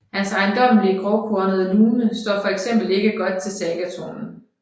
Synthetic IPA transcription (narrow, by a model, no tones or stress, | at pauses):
hænsɑ̈ɪnd̥ɒ̽m̰əlikʰʁɒʊkʰoɐnəð̩ˠluːnəsd̥ɒ̰ːfɒ̽eɡ̥sem̰b̥l̩e̝ɡ̥əɡ̥ɒ̽d̥̚t͡sʰe̝lsɛɡ̥æt͡sʰo̰nn̩